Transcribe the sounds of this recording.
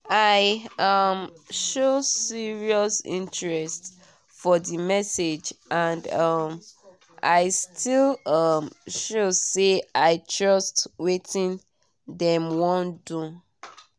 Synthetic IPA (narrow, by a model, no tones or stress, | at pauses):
aɪʌmʃosiɹiɔsḭ̃nt͡ʃɹɛst | fɔðimɛsed͡ʒãndʌm | aɪstʰilʌmʃoseaɪtʰɹɔstwetʰĩn | dɛ̃mwɔ̃ndũ